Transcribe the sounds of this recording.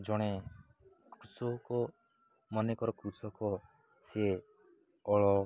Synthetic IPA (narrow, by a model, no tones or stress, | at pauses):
d͡ʒɔɽ̃e | kɾusɔkɔ | mɔnekɔɾɔkɾusɔkɔ | se | ɔɭɔ